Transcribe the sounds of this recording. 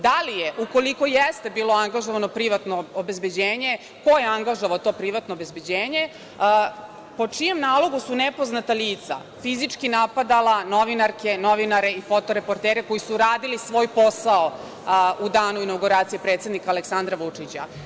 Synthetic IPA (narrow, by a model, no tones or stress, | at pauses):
d̪alijeʔuko̞liko̞jest̪e̞biːlo̞aŋɡaʒoʋano̞pɾiʋat̪noobezbe̞d͡ʑeːɲe̞ | ko̞jeaŋɡaʒoʋaot̪o̞ːpɾiʋat̪noːbe̞zbe̞d͡ʑeːɲe̞ | po̞t͡ʂije̞mnaːlˠo̞ɡusunepo̞znat̪aliːt̪sa̰ | fizit͡ʂkinapad̪alano̞ʋinaɾke̞no̞ʋinaɾe̞ifo̞t̪o̞ɾe̞po̞ɾt̪eːɾe̞ko̞jisuɾaːd̪ilisʋo̞ːjpo̞sao | ud̪aːnuinawɡuɾaːt̪sijepɾet̪sed̪nikaːleksand̪ɾaʋut͡ʂit͡ɕa̰